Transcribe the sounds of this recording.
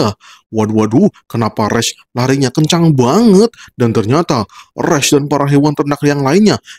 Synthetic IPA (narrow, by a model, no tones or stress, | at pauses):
a | waduwadukənapaɾɛs | laɾiɲakəɲt͡ʃaŋbaŋət̪̚dant̪ərɲat̪arɛsdanpaɾaɦewant̪əndakjaŋlaɪnɲa